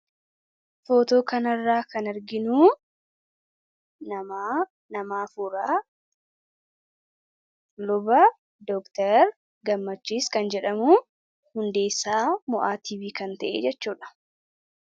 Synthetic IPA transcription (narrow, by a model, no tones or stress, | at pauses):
foːt̪oːkɐnɐrːaːkɐnɪɾɡɪnuː | nɐ | nɐmaːfuɾaː | lʊbɐ | d̪ɔkt̪ɛɾ | ɡɐmːɐt͡ʃːiːskɐnd͡ʒɛᶑɐmuː | hʊnd̪e̞ːsːaːmɔʔaːt̪iːbiːkɐnt̪ɐʔḛːd͡ʒɛt͡ʃːuːᶑɐ̥